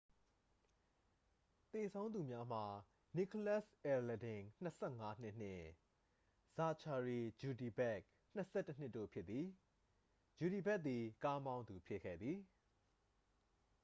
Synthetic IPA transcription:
t̪e˨sʰõ˦ʊ̃nd̪u˨mja˦m̥a˨ | ni˨kʰo˦˨la˦˨sʔɛ˨lɛ˨dɪ̃˨ŋn̥əsʰɛ˦˨ŋa˦n̥ɪ˦ʔn̥ɪ̰̃˦˨ | z̥a˨t͡ɕʰa˨ɹi˨d͡ʑu˨di˨bɛ˦ʔ | n̥ə˨sʰɛ˦˨tːə˦n̥ɪ˦ʔtːo̰˦˨pʰjɪ˦t̪t̪ːi˨ | d͡ʑu˨ɾi˨bɛ˦ʔt̪i˨ka˦mã˦ʊ̃nd̪u˨pʰɪ˦ʔkʰɛ̰˦˨d̪ði˨

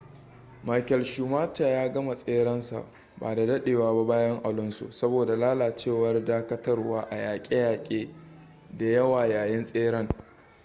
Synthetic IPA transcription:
ma˨jkɛ˨lʃuː˨maː˦t͡ʃa˨jaː˦ɡɐ˦ma˨sʼeː˦ɽɐ˦nsa̰˨ | baː˨da˨dɐ˦ɗeː˨waː˦ba˦baː˦jɐ˦ŋʔa˨lʊ˦nso̰˨sɐ˦boː˨da˨laː˦laː˨t͡ʃeː˦˨wɐ˦rdaː˦kɐ˦tɐ˦rwaː˦ʔa˨jaː˨kʲʼe˦jaː˨kʲʼeː˦ | da˨jɐ˦waː˨jaː˨jɪ˦nsʼeː˦ɽɐ˦ŋ

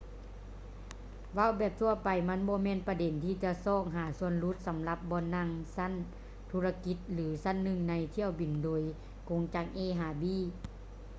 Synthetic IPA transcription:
wa˧˥˨wbɛː˧˩p̚t̪ʰu˧ɐpa˨˩jma˧˥˨nbɔː˧˦mɛː˧˥˨npa˧de˨˦nt̪ʰiː˧˩t͡ɕa˧sɔː˧˩k̚ɦaː˨˦su˧ənlu˧˦˥t̪̚sa˨˦mla˧˦p̚bɔː˧˥˨nːa˧˥˨ŋsa˧˥˨n | t̪ʰuː˧˥a˧ki˧˦t̪̚lɯː˨˦sa˧˥˨nːɯ˧˩ŋna˧˥jt̪ʰi˧˩əwbi˨˩ndoː˨˩j | ko˧˦ŋt͡ɕaː˧˩k̚ʔeː˧˨ɦaː˨˩biː˧˥˨

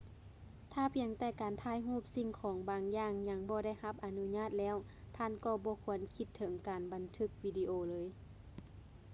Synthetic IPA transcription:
t̪ʰaː˧˩pʰi˨˧˩əŋt̪ɛː˧˩kaː˨nt̪ʰaː˧˥˨jɦuː˥˩p̚si˧ŋkʰɔː˨˦ŋbaː˨˧ŋjaː˧˩ŋɲa˧˥ŋbɔː˧˦da˥˩jha˧˥p̚ʔa˨nu˧ɲaː˧˥˨t̪̚lɛː˧˥˨w | t̪ʰaː˧˥˨nkɔː˧˩bɔː˧˦kʰu˧˩ənkʰi˧˥t̪ʰːɤ˨˩˦ŋkaː˨nba˨˩nt̪ʰɯ˧˩k̚wiː˧di˧ʔoː˧˩lɤː˧˦j

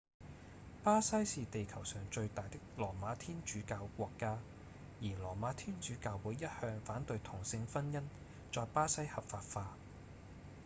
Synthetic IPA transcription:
paː˥sɐ˥jsiː˨t̪e˨jkʰɐ˨˩wsœː˨˩ŋt͡ʃɵ˧ɥt̪aː˨jt̪ɪ˥k̚lɔː˨˩maː˨˧˥t̪ʰiː˥nt͡ʃyː˨˥kaː˧wkʷɔː˧kːaː˥ | jiː˨˩lɔː˨˩maː˨˥t̪ʰiː˥nt͡ʃyː˨˥kaː˧wwuː˨˥jːɐ˥t̚hœː˧ŋfaː˨˥nt̪ɵ˧ɥt̪ʰʊ˨˩ŋsɪ˧ŋfɐ˥njɐ˥n | t͡ʃɔː˨jpaː˥sɐ˥jhɐ˨p̚faː˨t̚faː˧

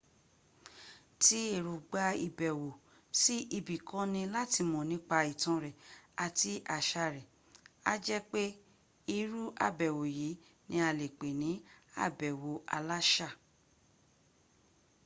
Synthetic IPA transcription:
ti˨˦e˦˨ɾu˨ɡ͡ba˧˦ḭ˧bɛ˨wo˨ | si˦i˧bi˨kã˦nĩ˧la˦ti˧mɔ̃˨nĩ˨˦k͡pa˧i˨tɔ̃˨˧˦ɾɛ˨a˧ti˦ʔa˧˨ʃa˧ɾɛ˨ | a̰˦d͡ʒɛ˦k͡pe˦ | i˦˧ɾu˦ʔa̰˦˨bɛ˨wo˨ji˨˦ | nĩ˧˦a˧le˨k͡pe˨nĩ˨˦a̰˦˨bɛ˨wo˨ʔa̰˧la˦ʃa˦˨

